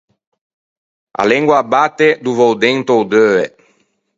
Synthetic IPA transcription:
a̰lɛŋɡwabat̪ːed̪uvowd̪ɛŋt̪owd̪øːe

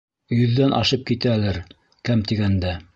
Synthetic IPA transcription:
jɵ̆ðːænʔɑ̰ʃɤp̚kit̪æːlɘɾ | kæmt̪iɡænd̪æ

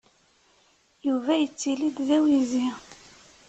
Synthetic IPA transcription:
juvæjət͡sːilid̪ðæwizi

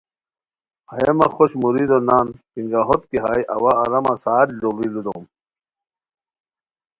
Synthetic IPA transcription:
ɐjemɐxoɕmuɾid̪onaːnpiŋɡaɦot̪kiɦaːjʔɐ̰waːɾɐmasaːdlobilud̪o̰ːm

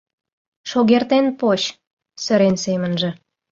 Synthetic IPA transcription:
ʃoɣert̪enpoɕ | sə̆ɾensemənʒə̆

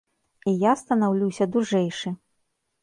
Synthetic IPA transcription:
ijast̪ɐnawlʲuwsʲɐd̪uʐɛjʂɨ

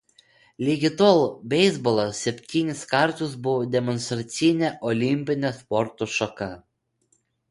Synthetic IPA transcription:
lʲiɡʲɪt̪olˠbʲɛɪzbɔlˠɐsʲɛpʲt̪ʲiːnʲɪskɐɾt̪ʊsbʊʋɔd̪ʲɛmɔnst̪ɾɐt̪sʲɪnʲɛʔɔlʲɪmʲpʲɪnʲɛspɔɾt̪oʃɔkɐ

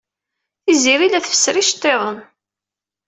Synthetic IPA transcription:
θiziɾilæθfə̥sːɾiʃt̪ˤːeðˤən

